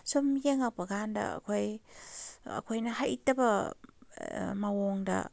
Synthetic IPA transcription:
somjeŋapɐɡandɐ̰a̰kʰoj | ɐ̰kʰojnɐhajitːɐbɐ | mawoŋdɐ̰

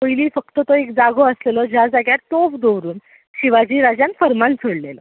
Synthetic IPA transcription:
pəjliːfək̚t̪ət̪oekd͡zaɡoəslelɔd͡ʑjad͡zaɡjatt̪ːofd̪oʋɾuːn | ɕiʋad͡ʑiːɾad͡ʑjanfəɾmãnt͡sʰəɽlelə

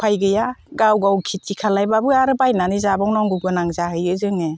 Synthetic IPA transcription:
pʰajɡɯjaɡawɡawkʰit̚ʰikʰalajbabɯaɾɯbajnanizabɔŋnɔŋɡuɡɯnaŋzaɦɯjɯzɯŋe

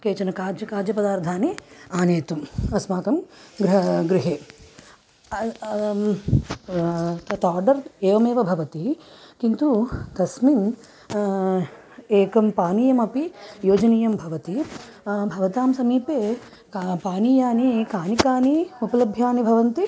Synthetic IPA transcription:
keːt͡ʃɐnɐkaːd͡ʒɐkaːd͡ʒjɐpɐd̪aːɾd̪ʱaːniaːneːt̪umɐsmaːkɐmɡɾɡɾɪɦeː | t̪ɐt̪aːɾɖɐɾeːʋɐmeːʋɐbʱɐʋɐt̪ikint̪ut̪ɐsmin | eːkɐmpaːnijɐmɐpijoːd͡ʒɐniːjɐmbʱɐʋɐt̪i | bʱɐʋɐt̪aːmsɐmiːpeː | kapaːnijaːnikaːnikaːniupɐlɐbʱjaːnibʱɐʋɐnt̪i

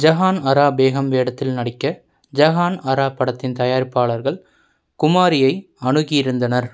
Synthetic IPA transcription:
d͡ʒɐɣaːnɐɾaːbeːɣɐmʋeːɽɐt̪ːɪlnɐɽɪkːɐ | d͡ʒɐɣaːnɐɾaːpːɐɽɐt̪ːɪnt̪ɐjaːɾpːaːɭɐɾɣɐɭ | kʊmaːɾɪjɐɪ | ɐɳɯɣɪjɪɾɯnd̪ɐnɐɾ

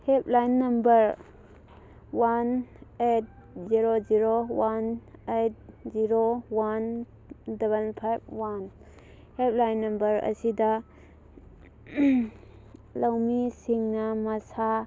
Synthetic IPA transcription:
hep̚lajnːɐmbɐɾ | wanet̚ | ziɾoziɾowanejt̚ziɾowan | dɐβɐnpʰajb̚wan | hep̚lajnːɐmbɐɾɐ̰sidɐ | lɐwmisiŋnɐmɐsa

